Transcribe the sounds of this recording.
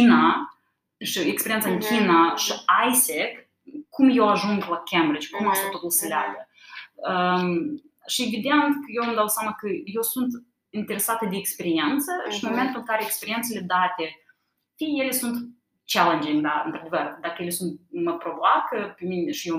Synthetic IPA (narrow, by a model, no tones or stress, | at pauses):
ina | ʃiekspeɾient̪saɨŋkʲʰinaʃiajsek | kːumje̞waʒuŋɡlakʲembɾid͡ʒkumaʃt̪et̪ot̪ulʲsəlea̰ɡə | ə | ʃievid̪e̞nt̪kəjewamd̪awsʲjamakəjewsunt̪ | int̪e̞ɾe̞sat̪əd̪eːkspe̞ɾient̪səʃinmo̞me̞nt̪ulɨŋkaɾeekspeɾient̪se̞le̞d̪at̪e̞ | fije̞le̞sunt̪ | t͡ʃalend͡ʒiŋd̪aɨ̰nt̪ɾad̪e̞vərd̪akəje̞le̞sunt̪̚məpɾo̞voakəpemineʃije